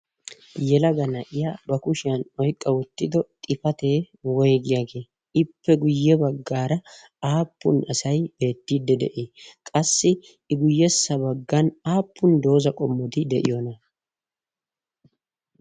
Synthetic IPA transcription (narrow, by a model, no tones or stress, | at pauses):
jɛlɐɡɐnɐʔɪjabɐkʊʃɪjɐnɔjkʼːɐwʊt̪ːɪd̪ɔt̪ʼɪfɐt̪e̞ː | wɔjɡɪjaːɡe̞ː | ɪpːɛɡʊjːɛbɐɡːaːɾɐ | aːpːʊ̰nɐsɐjb̥e̞ːt̪ːid̪ːɛd̪ɛ̰ʔeːkʼɐsːɪ | ɪɡʊjːɛsːɐbɐɡːɐnaːpːʊnd̪o̞ːzɐkʼɔmːɔt̪ɪd̪ɛʔɪ̰jonɐ